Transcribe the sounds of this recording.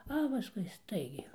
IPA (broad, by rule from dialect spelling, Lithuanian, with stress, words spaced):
ɐ pɐˈskʊɪ ˈstɐɪɡʲɛɪ